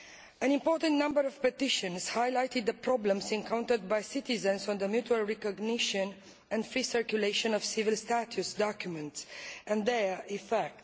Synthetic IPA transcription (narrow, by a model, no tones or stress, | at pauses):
ə̃nĩmpɔɹt̪ə̃nt̪nãmbəɾɔv̥pɛt̪iʃə̃nshajlajt̪id̪̚ðəpɾɔblə̃msɛ̃ŋkãw̃nt̪əd̪̚bajsit̪izə̃nsɔ̃nd̪əmjutualɹɛkɔɡniʃə̃n | ɛ̃nd̪fɾisəɹkjuleʃɔ̃nɔv̥sivilst̪at̪ʰjusd̪ɔkjumɛ̃nt̪sɛ̃nd̪ɛɹifɛk̚t